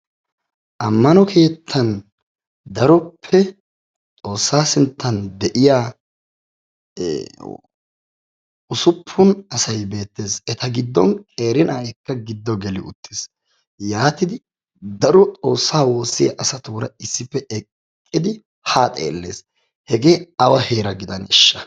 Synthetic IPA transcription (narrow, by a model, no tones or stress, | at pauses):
ʔɐmːɐnɔkʰe̞ːt̪ʰːɐn | d̪ɐɾɔpʰːɛ | t͡sʼo̞ːsːaːsɪnt̪ːɐnd̪ɛʔɪjaː | ʊsʊpʰːʊnɐsɐjbe̞ːt̪ːe̞ːsɛt̪ɐɡɪd̪ːɔnkʼe̞ːɾɪnɐjɛkːɐɡɪd̪ːɔɡɛlɪʊ̰t̪ʰːɪs | jaːt̪ɪd̪ɪ | d̪ɐɾɔt͡sʼo̞ːsːaːwo̞ːsːɪjɐ̰ʔɐsɐt̪uːɾɐɪsːɪpːɛɛkʼː | ɪd̪ɪ | haːt̪ʼḛːlːe̞̰ːs | hɛɡe̞ːɐwɐhe̞ːɾɐɡɪd̪ɐnɪʃːɐ